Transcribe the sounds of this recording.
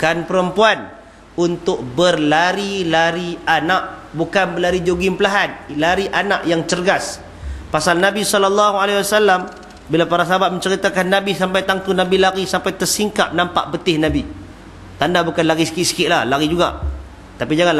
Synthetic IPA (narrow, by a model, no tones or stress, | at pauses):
kanpəɾəmpuan | unt̪ʊk̚bərlaɾilaɾianaʔ̚bukanbəlaɾid͡ʒoɡɪmpəlaɦanlaɾiʔanaʔjaŋt͡ʃərɡas | pasalnabisɔlɔlːɑɦualewasalːam | bilapaɾasaɦabat̪̚mə̃ɲt͡ʃəɾit̪akanːabisampajt̪aŋt̪unabilaɾisampajt̪ərsiŋka̰p̚nampa̰ʔbət̪ɪhnabi | t̪andabukanlaɾisə̥kɪʔ̪sə̥kɪʔ̪̚lahlaɣid͡ʒuɡa̰ | t̪apid͡ʒaŋan